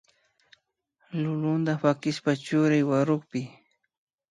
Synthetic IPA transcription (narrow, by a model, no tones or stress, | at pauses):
lʊlʊnd̪apakɪʃpat͡ʃʊɾajwaɾʊχpɪ